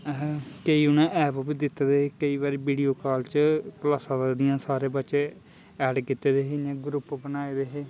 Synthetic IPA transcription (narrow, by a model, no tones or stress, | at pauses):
kəiːʊnẽːʔɛːpobiːd̪ɪt̪ːeːd̪eːɦeːkəiːʋaːɾeːbiːɖijoːkaːlt͡ʃəkəlaːsãːd̪ɪjãːsaːɾeːbətːʃeː | ɛːɖkit̪ːeːd̪eːɦed͡ʒãːɡɾʊpːbənaːeːd̪eːɦeː